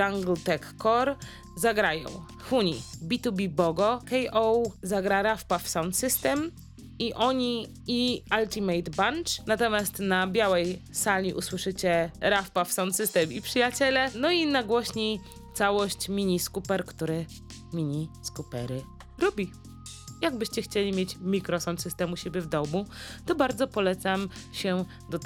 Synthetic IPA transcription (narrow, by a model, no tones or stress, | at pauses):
aŋɡlt̪ɛkːɔɾ | zaɡɾajɔ̰̃w̃ | xuɲibʲit̪ubʲibɔɡɔkɛjʔɔwzaɡɾaɾafpafsawnt̪sɘst̪ɛm | iʔɔɲi | ialt̪ʲimɛjt̪bant͡ʂnat̪ɔmʲjast̪nabʲjawɛjsalʲiʔuswɘʂɘt͡ɕɛɾafpafsawnt̪sɘst̪ɛmipʂɘjat͡ɕɛlɛnɔinaɡwɔɕɲej | t̪sawɔɕt͡ɕmʲiɲiskupɛɾkt̪uɾɘ | mʲiɲiskupɛɾɘ | ɾɔbʲi | jaɡ̚bɘɕt͡ɕɛxt͡ɕelʲimʲjet͡ɕmʲikɾɔsawnt̪sɨst̪ɛmuɕebʲjɛvd̪ɔmut̪ɔbaɾd̪zɔpɔlɛt̪sam | ɕɛ | d̪ɔt̪